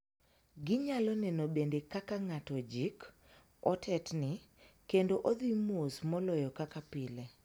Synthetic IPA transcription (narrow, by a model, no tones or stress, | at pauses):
ɡɪɲalɔnɛnobendekakaŋatɔd͡ʒik | ɔ̰tʰɛtnɪkendoʔod̪imosmɔlɔjɔkakapɪle